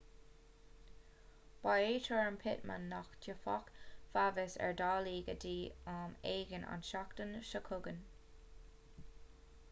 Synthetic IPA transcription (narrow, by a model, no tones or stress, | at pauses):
b̥aeːtʰɹɔɹəmpʰɪt̚mə̰nːaxdəfɔ̰kfavɪsɛ̰ɹdɑːliːɡədiːameːɡənʔa̰nʃaktənʃəkʰʊɡən